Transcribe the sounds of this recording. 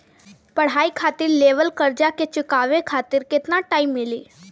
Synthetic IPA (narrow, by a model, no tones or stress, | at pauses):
pɐɽ̤ɦaːikʰaːt̪ɪɾleːʋəlkəɾd͡ʒaket͡ʃʊkaːʋekʰaːt̪ɪɾkɪt̪naʈaːimːɪliː